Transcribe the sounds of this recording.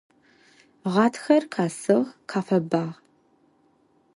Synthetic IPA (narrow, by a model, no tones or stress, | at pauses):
ʁɑːtʰxɐrqʰaːsɨʁqʰaːfɐbaːʁ